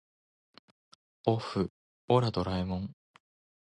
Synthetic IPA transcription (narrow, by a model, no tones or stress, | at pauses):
oɸɯ | oɾad̪o̞ɾaimõŋ